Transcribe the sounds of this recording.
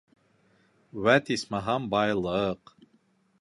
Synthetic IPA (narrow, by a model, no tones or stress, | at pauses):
wæt̪ʰismaɦɑmbɑjlˠɤq